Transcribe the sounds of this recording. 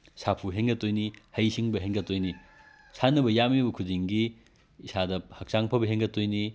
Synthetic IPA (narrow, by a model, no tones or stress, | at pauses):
sapʰuɦeŋɡɐtːojnihɐjsiŋbɐɦeŋɡɐtojni | sʰanːɐbɐjamibɐkʰudiŋɡiː | sadɐhɐk̚t͡ʃaŋpʰɐbɐɦeŋɡɐtojni